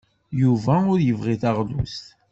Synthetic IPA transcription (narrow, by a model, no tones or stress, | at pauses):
juvæʊɾjəvʁiθɑʁlust̪